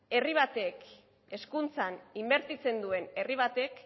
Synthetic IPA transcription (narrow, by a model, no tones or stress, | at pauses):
e̞riβ̞at̪e̞k | e̞skunt͡sanimbe̞ɾt̪it͡se̞nd̪ue̞ne̞riβ̞at̪e̞k